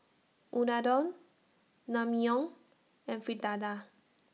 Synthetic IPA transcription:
unadɔnː | amiɔŋ | ẽɱfid̪ad̪a

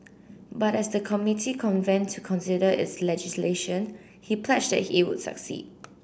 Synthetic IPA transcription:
batɛsdəkʰɔmitʰikʰɔ̃nvɛ̃ntʰːukʰɔ̃nsɪdəɪ̰tslɛd͡ʒɪsleʃə̃n | hipʰlɛt͡ʃdɛ̰t̚hiwʊ̰d̥sə̰ksḭd̥̚

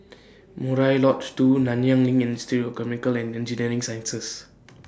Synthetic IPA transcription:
muɾajlɔtt͡ʃtunanijãŋlĩŋɛ̃nstiɾkɛmikəlɛ̃ndɛ̃nd͡ʒiniɾĩŋsajə̃nsɛs

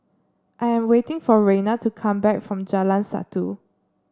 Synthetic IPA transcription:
ʔajɛ̃mwetɪ̃ŋfɔɹẽnatukʰãmbɛk̚fɹɔ̃md͡ʒalãnsa̰tu

